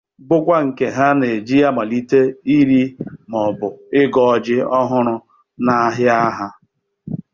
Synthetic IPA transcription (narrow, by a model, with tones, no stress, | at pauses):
bʊ˦kʷa˦ŋ̩˨ke˨ɦa˦ne˨d͡ʒi˦a˦ma˨li˦te˦i˦ɾi˦mɔ˨bʊ˨ɪ˦ɡɔ˨ɔ˨d͡ʒɪ˦ɔ˦ɦʊ˦ɾʊ˦ | na˦ɦɪ˦a˦ɦa˦